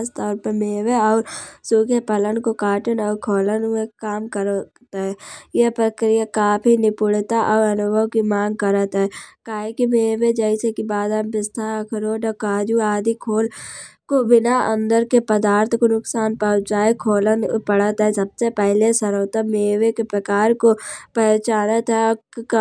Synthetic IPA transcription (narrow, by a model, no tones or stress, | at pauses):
st̪ɔːɾpəmeːʋeɔːɾsuːkʰjepələnkokaːʈənɔːɾkʰoːlənʊekaːmkəɾ | t̪aɦɛːjepɾəkɾijakaːpʰinɪpʊɽt̪aʔɔːɾɐnʊbʱəʋkimãːŋɡ̚kəɾət̪aɦɛkaːɦekimeːʋed͡ʒɛːɪsekibaːd̪ambɪst̪ʰakʰəɾoːɖɔːkaːd͡ʒuaːd̪ʱikʰoːlkobɪnaə̰̃nd̪əɾkepəd̪aːɾt̪ʰkonʊksaːnpɐʊ̃t͡ʃaːekʰoːlənpəɽət̪ɦɛsɐbsepɛɦlesɐɾɦoːt̪ameːʋekepɾəkaːɾkopət͡ʃaːnət̪ɦɛɔːɾ